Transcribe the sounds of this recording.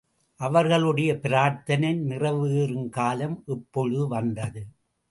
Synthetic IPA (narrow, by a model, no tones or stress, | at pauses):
ʔɐʋɐɾɣɐɭɯɽɐjɐpɪɾaːɾt̪ɐnɐɪnɪrɐʋɯɾɯŋkaːlɐmʔɛpːɔɻðɯʋɐnd̪ɐðɯ